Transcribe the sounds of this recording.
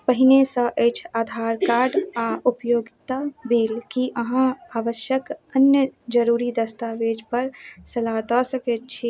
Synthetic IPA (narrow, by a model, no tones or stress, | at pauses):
pəɦinesə̃ʔəjt͡ʃʰaːd̪ʱaɾkaɾɖaupəjoɡit̪abiːlkiʔəɦãaːʋəʃjəkənjəd͡ʒəɾuɾid̪əst̪aʋed͡ʒpəɾsəlat̪ɔsəkɛt̪̚t͡ʃʰi